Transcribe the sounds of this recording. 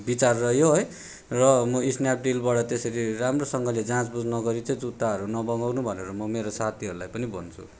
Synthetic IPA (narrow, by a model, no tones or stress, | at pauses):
bit͡sarːʌɦjoɦoj | rʌmʌisnjap̚ʰɖilbaɽʌt̪esʌɾiramrosʌŋɡʌled͡zãt͡sbud͡znʌɡʌɾit͡sʌĩd͡zut̪ːaɦʌɾunʌbʌŋawnubʱʌneɾʌmʌmeɾosat̪ʰiɦʌɾulajpʌnibʌnt͡sʰṵ